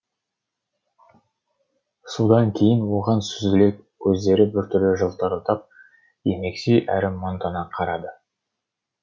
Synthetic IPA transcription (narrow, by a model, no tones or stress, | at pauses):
sod̪ɑŋkʲʰe̞jɪnwo̞ʁɑnsʏzɡɪle̞kː | ɵzd̪e̞ɾɪbɪɾt̪ʰʏɾlɪʒəlˠt̪ɑɾət̪ʰɑp̚ | je̞me̞ksejʔæɾɪmont̪ɑnɑqʰɑɾɑd̪ə